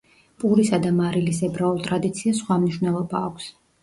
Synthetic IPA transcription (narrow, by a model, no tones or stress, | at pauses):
pʼuɾisad̪amaɾilis̬ɛbɾaulˠt̪ʼɾad̪it̪sʰiasχwamniʃwvnɛlˠɔbaːkʷʰs